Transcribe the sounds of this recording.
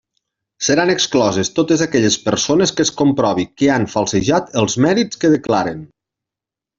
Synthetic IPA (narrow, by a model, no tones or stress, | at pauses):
səɾanəksklɔzest̪ot̪əzakɛʎəspəɾsonəskəskompɾɔβ̞ikəaɱfalˠsəʒat̪əlˠzmɛɾit͡skəðəklaɾən